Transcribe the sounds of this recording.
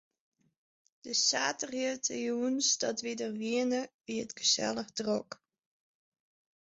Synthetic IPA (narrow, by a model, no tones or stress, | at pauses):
d̥əsaːtəriətʰəjunsdɔtʋidərʋiənəʋiətɡ̥əsɛ̰lˠəxdrɔk